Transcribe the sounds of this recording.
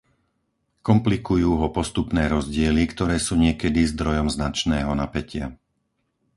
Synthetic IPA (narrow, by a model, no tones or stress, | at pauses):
kɔmplikujuːɦɔpɔst̪upnɛːɾɔzɟɪɛlikt̪ɔɾɛːsuːɲɪɛkɛd̪izd̪ɾɔjɔmznat͡ʃnɛːɦɔnapɛcɪa̰